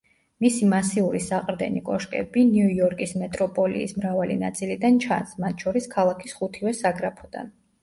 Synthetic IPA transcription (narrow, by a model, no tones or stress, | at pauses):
misimasiuɾisaqʼɾd̪ɛ̰nikʼɔʃkʼɛ̰binjujɔɾkʼismɛt̪ʼɾɔpʼɔlḭːsmɾavalḭna̰t̪sʼilid̪ant͡ʃʰa̰nsmat̪ʰʃʰɔɾiskʰalˠakʰisχut̪ʰivɛsaɡɾapʰɔd̪̥a̰n